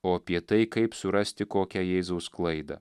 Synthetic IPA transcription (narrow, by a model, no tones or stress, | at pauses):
oːɐpʲiɛt̪ɐɪkɐɪpsʊɾɐsʲt̪ʲɪkoːkʲɛjɛːzɐʊsklˠɐɪd̪ɐ̰